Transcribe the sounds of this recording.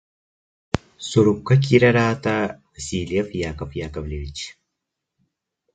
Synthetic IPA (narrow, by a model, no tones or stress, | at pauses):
suɾukːɐk̬iɾɐɾaːt̪a | siːlijɐfjaːkɐfjaːkɐbleʋit͡ʃ